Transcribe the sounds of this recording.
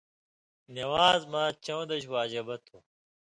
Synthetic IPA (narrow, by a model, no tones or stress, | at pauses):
nɐwaːzmaːt͡ɕɐwd̪ɐɕwaːd͡ʑɐbɐt̪ʰo